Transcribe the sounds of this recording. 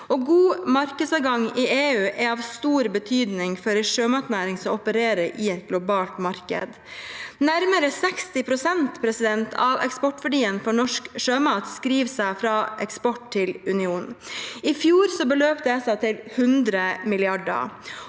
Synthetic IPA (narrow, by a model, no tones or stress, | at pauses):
ʔɔɡuːmɑɾkəd̪sɑːʋɡɑŋɪʔeːʉːʔɛɑːʋst̪uːɾbət̪ʰyːd̪nɪŋfɔɾɛʂøːmɑt̪næːɾɪŋsɔɔpəɾeːɾəɾʔɪɛt̪̚ɡlʊbɑːlt̪mɑɾkə̰d̪ | næɾməɾəsɛkst̪ɪpʰɾʊsɛnt̪pʰɾɛsɪd̪ɛnt̪ʰɑʋɛ̰kspɔʈːʋæɖiːənfɔɳɔʂkʂøːmɑːt̪skɾiːʋsæɪfɾɑːʔɛkspɔʈt̪ʰɪlʉnɪuːnɪfjuːɾsɔbəløːpt̪əɛsɑt̪ʰɪlhʉnd̪ɾəmɪlɪɑɖə̰